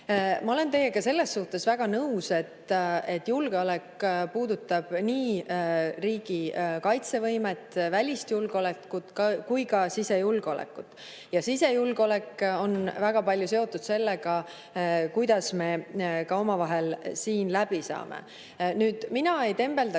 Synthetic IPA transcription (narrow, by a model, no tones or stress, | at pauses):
mɑo̞le̞nt̪e̞jːe̞ɡ̥ɑse̞lːe̞sːuht̪e̞svæɡ̥ɑnɤuse̞t̪ːe̞t̪ːjulɡ̥eole̞kpuːd̪ut̪ːˑɑb̥niː | riːɡ̥ikɑjt̪se̞vɤjme̞t̪ːˑvælʲist̪julɡ̥ole̞kːˑut̪kujkɑsise̞julɡ̥o̞lḛkːˑut̪ːˑ | jɑsisejulɡo̞le̞ko̞nvæɡ̥ɑpɑlʲjuse̞o̞t̪ːˑud̪se̞lːeɡ̥ɑ | kujd̪̥ɑsme̞kɑo̞mɑvɑɦe̞lsiːnlæb̥isɑ̰ːmḛ | nyːd̪̥minɑe̞jt̪e̞mb̥e̞ld̪ɑ